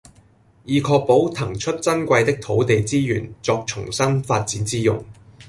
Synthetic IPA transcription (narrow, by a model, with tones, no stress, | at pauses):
jiː˨˧kʰɔː˧k̚po˨˥wt̪ʰɐ˨˩ŋt͡ʃʰɵ˥t̚t͡sɐ˥nkʷɐ˧jt̪ɪ˥k̚t̪ʰo˨˥wt̪e˨jt͡siː˥jyː˨˩nt͡sɔː˧k̚t͡ʃʰʊ̰˨˩ŋsɐ˥nfaː˧t̚t͡siː˨˥nt͡siː˥jʊ̰˨ŋ